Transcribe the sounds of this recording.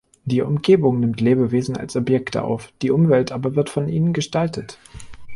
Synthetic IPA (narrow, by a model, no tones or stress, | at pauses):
d̥iːʔʊ̰mɡeːbʊŋnɪmtleːbəveːzn̩a̰lsʔɔpjɛktə̰ʔa̰ʊfd̥iːʔʊmvɛltʔaːbɐvɪɐtfɔnʔḭːnənɡəʃtaltət